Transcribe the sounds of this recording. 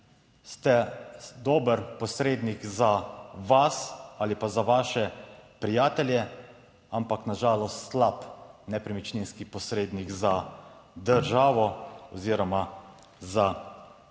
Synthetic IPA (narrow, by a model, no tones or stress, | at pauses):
st̪ɛd̪oːbəɾpɔsɾeːd̪nikzaʋasaːlipazaʋaːʃɛpɾijaːt̪ɛljɛ | ampaknaʒaːlɔst̪slapnɛpɾɛmit͡ʃninskipɔsɾeːd̪niɡzad̪əɾʒaːʋɔɔziːɾɔma | za